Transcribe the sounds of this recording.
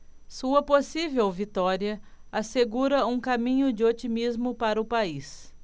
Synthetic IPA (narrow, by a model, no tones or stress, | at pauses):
suɐposivewvit̪ɔɾiɐaseɡuɾɐũkamĩɲʊd͡ʒɪot͡ʃimizmʊpaɾɐʊpais